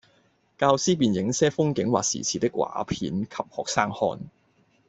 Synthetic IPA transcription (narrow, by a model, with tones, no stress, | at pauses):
kaː˧wsiː˥p̬iː˨njɪ˨˥ŋsɛː˥fʊ˥ŋkɪ˨˥ŋwa̰ː˨k̚sḭː˨˩t͡sʰiː˨˩t̪ɪ˥kwa̰ː˨˥pʰiː˨˥nkʰɐ˨p̚hɔː˨k̚saː˥ŋhɔ̰ː˧n